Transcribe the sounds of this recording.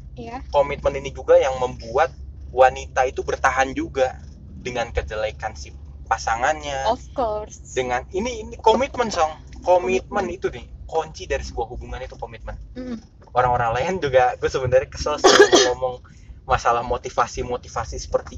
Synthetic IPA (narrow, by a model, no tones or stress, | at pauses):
jakomit̪̚məninid͡ʒuɡajaŋməmbuat̪̚wanit̪ait̪ubərt̪aɦand͡ʒuɡa | dəŋankəd͡ʒəlakansi | pasaŋanɲafkorsdəŋaniniːnikomit̪̚mənsɔŋ | komit̪̚mənit̪unɪhkoɲt͡ʃidaɾisəbuahɦubuŋanit̪ukomit̪̚mən | oɾaŋoɾaŋlaənd͡ʒuɡaɡuasəbənarɲakə̥səlsnŋomɔŋ | masalahmot̪ifasimot̪ifasisə̥pərt̪i